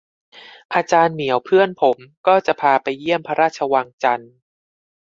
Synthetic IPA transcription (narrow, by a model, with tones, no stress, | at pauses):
pʰa˧t͡ɕaː˧nmi˩˦əwpʰɯ˥˩ənpʰo˩˦mkɔː˥˩t͡ɕa˨˩ʔpʰaː˧pa˧jːi˥˩əmpʰa˧ɾaː˥˩t̪̚t͡ɕʰa˧waː˧ŋt͡ɕa˧n